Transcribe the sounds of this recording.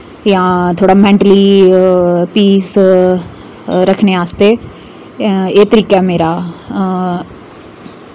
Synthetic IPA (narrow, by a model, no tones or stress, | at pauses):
jãːt̪ʰoːɽaːmɛ̃ːɳʈliː | piːs | ɾəkʰneːaːst̪eː | eːt̪əɾiːkɛːmeːɾaː